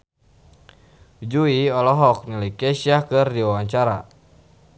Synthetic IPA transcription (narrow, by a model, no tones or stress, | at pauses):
d͡ʒuiɔlɔɦɔk̚nələjkɛsiakɨrdiwawaɲt͡ʃaɾa̰